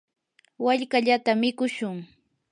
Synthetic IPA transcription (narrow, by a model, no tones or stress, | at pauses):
waʎkaʎat̪amɪkʊʃʊŋ